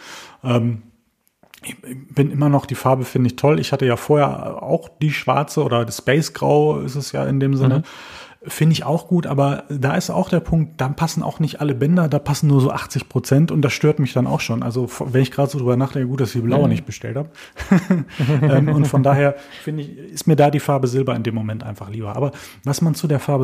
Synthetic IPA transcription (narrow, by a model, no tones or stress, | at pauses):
ʔɛːm | ʔɪçɪb̥ɪnʔɪmɐnɔχd̥iːfaɐbəfɪndəɪçtʰɔlɪ̰çhatəjaːfoːɐheːɐ̰a̰ʊxd̥iːʃv̥a̰ɐt͡səʔoːdɐdaspɛɪsɡ̥ʁa̰ʊɪ̰stɛsja̰ːɪndeːmzɪnə | fɪndəɪça̰ʊxɡ̥uːtʔa̰ːbɐdaːɪsta̰ʊxd̥eːɐpʰʊŋk̚t̚d̥aːpʰasn̩ʔa̰ʊxnɪçtʔaləbɛndɐdaːpʰasn̩nuːɐzoːʔaχt͡sɪçpʁ̥ot͡sɛntʊnt̚d̥asʃtøːɐtmɪçd̥ana̰ʊxʃoːnʔa̰lzofvɛnɪçɡ̥ʁaːdəzoːdʁyːbɐnaːχd̥ɛŋkəɡuːt̚d̥asɪçd̥iːblaʊɐnɪçt̚b̥əʃtɛ̰lthaːbə | ʔɛːmʊntfɔndaːheːɐ | fɪndəɪçɪstmiːɐdaːdiːfaɐbəzɪlbɐɪndeːmːomɛntʔa̰ɪnfaχliːbɐʔa̰ːbɐvasmant͡sudeːɐfaɐbə